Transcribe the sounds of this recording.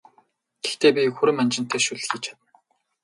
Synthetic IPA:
ɡ̥ext̪eːpʲikxuɾɘ̆manʲt͡ɕɪ̆n̥t̪ʰeːʃuɮ̆xiːt͡ɕʰḁt̪ə̆n

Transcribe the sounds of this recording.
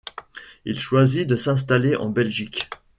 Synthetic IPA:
ilʃwazid̪əsɛ̃s̬t̪aleʔɑ̰̃bɛlʒik

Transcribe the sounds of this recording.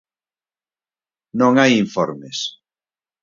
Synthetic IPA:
nõŋajiɱfɔɾmes

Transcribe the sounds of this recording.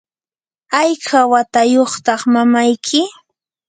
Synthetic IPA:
ajkʰawat̪ajoχt̪ɑχmamajkʰɪ

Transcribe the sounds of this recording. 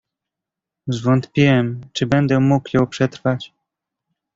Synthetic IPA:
zvɔnt̪pʲiwɛmt͡ʂɘbɛnd̪ɛmukjɔ̃wpʂɛt̪ɾfat͡ɕ

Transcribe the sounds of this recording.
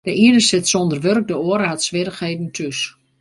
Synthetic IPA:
dəiənəsɪtsondərʋørk̚dəoəɾəɦatsʋɪrəxheːdn̩tʰys

